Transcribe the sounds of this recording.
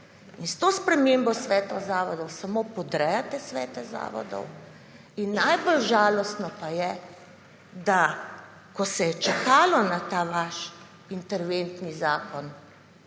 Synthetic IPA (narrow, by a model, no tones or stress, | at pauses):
inst̪oːspɾɛmeːmbɔsʋɛːt̪ɔzaːʋɔd̪ɔwsamopɔd̪ɾɛjat̪ɛsʋɛ̰ːt̪ɛza̰ːʋɔ̰d̪ɔ̰w | inːajbolʒaːlɔst̪nɔpajɛ | d̪a | kɔsɛjɛt͡ʃɛkaːlɔnat̪aːʋaʃ | int̪ɛɾʋent̪nizaːkɔn